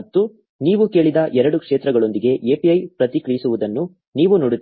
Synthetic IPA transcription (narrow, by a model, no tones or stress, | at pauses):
t̪ːu | niːʋuke̞ːɭid̪ɐʔɛɾɐɽukʂeːt̪ɾɐɡɐɭo̞nd̪iɡe̞ʔeːpiɐjpɾɐt̪ikɾijisuʋud̪ɐnːu | niːʋunoɽut̪ː